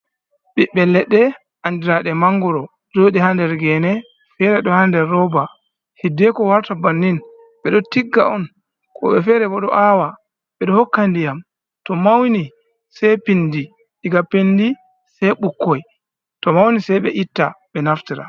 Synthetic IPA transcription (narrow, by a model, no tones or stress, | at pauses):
ɓɛɓɛlɛɗːɛ | ʔandiɾaɗɛmaŋɡɔɾɔ | d͡ʒoɗihandɛɾɡɛnɛ | fɛɾɛɗɔhandɛɾːɔba | hidːɛkɔwaɾtabanːin | ɓɛɗɔtiɡːa̰ɔn | kʰɔ̰ɓɛfɛɾɛbɔɗɔʔawa | ɓɛɗɔhɔkːandijam | tɔmawni | sɛjpindi | ʔiɡapendi | sɛjɓukːɔj | tɔmawnisajɓɛʔitːaɓɛnaftiɾa̰